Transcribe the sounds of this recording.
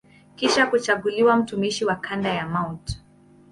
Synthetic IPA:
kiʃakut͡ʃaɠuliwam̩tumiʃiwakʰandajamawt

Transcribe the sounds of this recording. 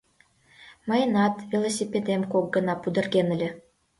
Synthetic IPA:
mɤ̆jənɑt̪vʲilˠosʲipʲed̪emkok̚ɡə̆nɑpud̪ə̆rɡenɘ̆lʲĕ

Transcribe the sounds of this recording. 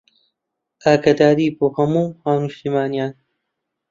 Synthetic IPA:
ʔaːkɐd̪aːɾiːboːhɐmuːhaːwnuʃt̪imaːnijaːn

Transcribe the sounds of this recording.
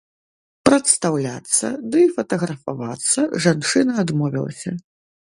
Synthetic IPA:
pɾɐt̪st̪awlʲat̪sːɐ̰d̪ɨfɐt̪ɐɣɾɐfavat̪sːɐʐant͡ʂɨnɐːd̪mɔvʲḭlˠɐ̰sʲɐ

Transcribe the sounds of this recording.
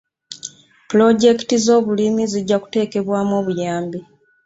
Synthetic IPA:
pulo̞ɟe̞ktizo̞ːβulimiziɟːaku̥te̞ːke̞βwaːmoːβujaːmbi

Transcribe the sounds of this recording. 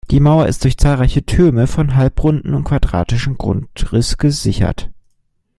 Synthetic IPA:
d̥iːmaʊɐʔɪ̰st̚d̥ʊɐçt͡saːlʁaɪçətʰøːməfɔnɦalpʁʊndn̩ʊntkv̥adʁa̰ːtɪʃn̩ɡʁʊ̰ntʁɪsɡ̥əzɪçɐ̰t

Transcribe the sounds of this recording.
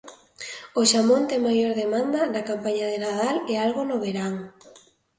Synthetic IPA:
oʃamõnt̪eŋmajoɾðemãnd̪ɐnakampaɲað̞enaðalealɣonoβeɾaŋ

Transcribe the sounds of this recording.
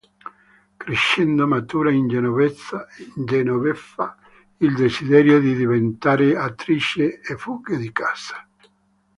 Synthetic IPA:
kɾeʃːɛnd̪omat̪uːɾaind͡ʒenovɛt̪sand͡ʒɛnovɛfːa | ild̪esid̪ɛɾjod̪id̪ivent̪aːɾeat̪ɾit͡ʃeːfuɡed̪ikaːsḁ

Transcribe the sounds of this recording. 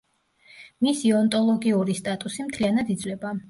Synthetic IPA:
misiɔnt̪ʼɔlˠɔɡiuɾist̪ʼat̪ʼusimt̪ʰlianad̪id̪zvlɛba

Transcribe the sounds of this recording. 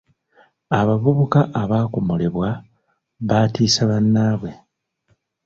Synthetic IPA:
aβavuβukaʔːβaːkomole̞βwa | βatiːsaβanːaːβwe̞

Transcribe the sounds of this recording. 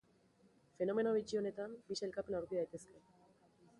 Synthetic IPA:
fe̞no̞me̞noβit͡ʃio̞ne̞t̪ambiselkape̞nawɾkiðajt̪e̞ske̞

